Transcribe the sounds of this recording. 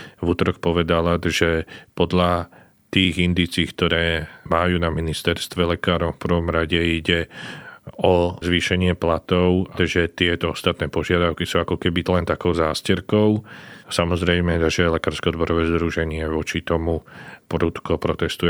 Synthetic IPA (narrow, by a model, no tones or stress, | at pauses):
ʋut̪ɾɔkpɔʋɛd̪alaʒɛpɔd̪la | t̪iːɣind̪iːt͡siːkt̪ɔɾɛːmajuːnaminist̪ɛɾst̪ʋɛlɛkaːɾɔmfprɾ̩ʋɔmɾaɟɛiɟɛ | ɔzʋiːʃɛɲɪɛplat̪ɔʊʒɛt̪ɪɛt̪ɔɔst̪at̪nɛːpɔʒɪad̪aʊkisuːakɔkɛbilɛnt̪akɔʊzaːscɛɾkɔʊsamɔzɾɛjmɛzaʒaɛlɛkaːɾskɛɔd̪bɔɾɔʋɛːzd̪ɾuʒɛɲɪɛʋɔt͡ʃit̪ɔmupɾut̪kɔpɾɔt̪ɛst̪ujɛ